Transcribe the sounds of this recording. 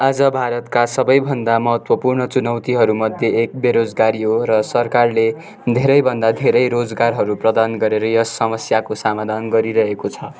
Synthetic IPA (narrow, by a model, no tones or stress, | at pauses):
ad͡zʌbʱaɾʌt̪kasʌbʌjbʱʌnd̪amʌɦʌt̪wʌpurnʌt͡sunʌwt̪iɦʌɾumʌd̪ʱjeek̚beɾod͡zɡaɾiɦoɾʌsʌrkarle | d̪ʱeɾʌjbʱʌnd̪ad̪ʱeɾʌjɾod͡zɡarɦʌɾuprʌd̪anɡʌɾeɾʌjʌsːʌmʌsjakosamad̪ʱanɡʌɾiɾʌɦekot͡sʰʌ